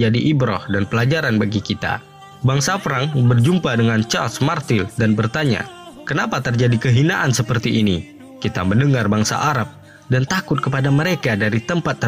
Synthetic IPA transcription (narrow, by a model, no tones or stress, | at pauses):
adiʔibɾɔhdanpəlad͡ʒaɾanbaɡikit̪a̰ | baŋsafəɾaŋbərd͡ʒumpadəŋant͡ʃalsmart̪ɪldanbərt̪aɲa̰kənapat̪ərd͡ʒadikəɦinaʔansəpərt̪iʔːni | kit̪aməndəŋarbaŋsa̰ʔaɾap̚ | dant̪akʊt̪̚kəpadaməɾekadaɾit̪əmpat̪ːə